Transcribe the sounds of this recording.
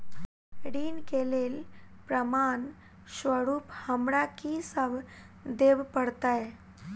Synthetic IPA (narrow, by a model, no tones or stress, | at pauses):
ɽiːnkelelpɾəman | ɕʋəɽuːphəmɽakisəb | d̪ebpəɽt̪aje